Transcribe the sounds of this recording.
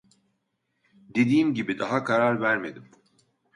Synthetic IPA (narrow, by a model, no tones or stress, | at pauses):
d̪e̞d̪iːmɟibid̪aɦakʰaɾaɾvæɾme̞d̪im